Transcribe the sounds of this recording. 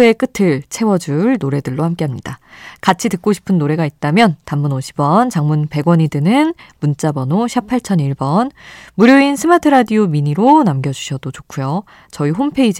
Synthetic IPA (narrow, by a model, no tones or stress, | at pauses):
e̞k͈ɯtʰɯɭt͡ɕʰe̞wʌd͡ʑuɭnoɾe̞dɯɭːohamk͈e̞ɦamɲidakat͡ɕʰitɯk͈̚oɕʰi̥pʰɯnːoɾe̞ɡait̚t͈amjʌntamːunoɕʰi̥bwʌnt͡ɕaŋmunpe̞ɡwʌɲidɯnɯnmunt͡ɕ͈abʌnoɕʰipʰaɭt͡ɕʰʌniɭbʌnmuɾjoinsʰɯmatʰɯɾadiomiɲiɾonamɡjʌd͡ʑuɕʰʌdot͡ɕokʰujo | t͡ɕʌiɦompʰe̞id͡ʑ